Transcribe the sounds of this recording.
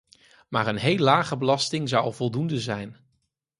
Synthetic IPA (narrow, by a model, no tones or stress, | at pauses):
maːɹənɦejlːaːχəbəlɑstɪŋzɑwɑ̰lˠvɔlˠdundəzɛjn